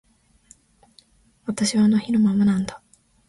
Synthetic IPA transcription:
βat̪aɕiβanoçino̞mamanãnd̪a

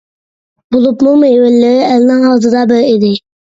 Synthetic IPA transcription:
bolˠupmʊŋmejwɪlːɪɾɪælnɪŋhɑːzɨd̪ɑbɪɾid̪ɪ

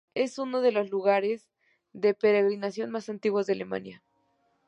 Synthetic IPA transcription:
e̞suno̞ð̞e̞lo̞zluɣaɾe̞z | ðe̞pe̞ɾeɣɾinasjo̞nmasant̪iɣwozðeale̞ma̰nja

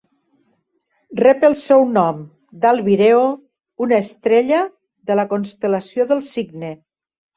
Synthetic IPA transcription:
rɛpəlˠsɛwnɔm | d̪alˠβiɾeo | unaːst̪ɾeʎə | ðələkonst̪ələsioðəlˠsiɡne

